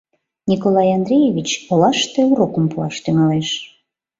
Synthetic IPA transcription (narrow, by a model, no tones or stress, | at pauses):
nʲikolɑjɑnd̪ɾʲejeβʲit͡ɕolɑʃt̪euɾokəmpuɑʃt̪yŋɑleʃ